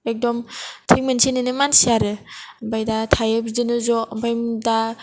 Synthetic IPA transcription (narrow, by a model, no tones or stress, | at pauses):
ek̚dɔmtʰiŋmensinɯnɯmansiaɾɯbajdatʰajɯbidɯnɯzɔbajmda